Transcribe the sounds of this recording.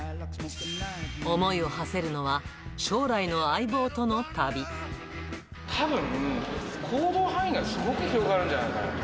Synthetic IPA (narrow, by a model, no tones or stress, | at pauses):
o̞mo̞io̞hase̞ɾɯ̟no̞βaɕo̞ːɾaino̞aibo̞ːt̪o̞no̞t̪abʲi | t̪ʰabɯ̟̃ŋɯ̃kʰoːd̪o̞ːhãĩɡasɨɡo̞kɯ̟çiɾo̞ɡaːɾɯ̟̃ɲd͡ʑanajkaa̰